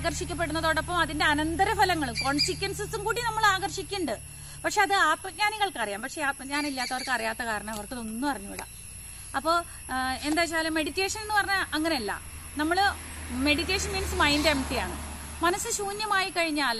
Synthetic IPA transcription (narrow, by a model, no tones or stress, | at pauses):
ɣɐrʂikʲːɐp̬ːe̞ɽunːɐðoɽɐpːɐmɐðinde̞ɐnɐnd̪ɐɾɐfɐlɐŋːɐɭumkoɳsikʲːɐnsɐsumkuːɽinɐmːɐɭaːɣɐrʂikʲːuɳɖɨ | pɐkʂe̞ɐðɨaːt̪mɐt̚ɲaːniɣɐɭkɐrijaːmpɐkʂe̞aːt̪̚mɐɲaːnilːaːt̪ːɐorkɨɐrijaːt̪ːɐkaːɾɐɳɐmɐʋɐrk̪ːilo̞nːupɐrɐɲːuḭɽɐ̰ | ɐpːo̞ː | e̞nd̪aːt͡ɕːaːjlume̞ɽitːe̞ːʂɐnenːuɨpɐrɐɲːaʔɐŋːɐneɐlːɐ̰ | nɐmːɐɭme̞ɽitːe̞ːʂɐnmiːnsɨmɐjndeemʈːijaːɳɨ̰ | mɐnɐsːɨɕuːnjɐmaːjikɐɻiɲːaːl